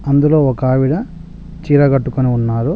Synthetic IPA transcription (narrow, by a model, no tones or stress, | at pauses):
ɐnd̪ulo̞ːɔkaːʋiɽɐ | t͡ʃiːɾɐɡɐʈːukoniunːaːɾu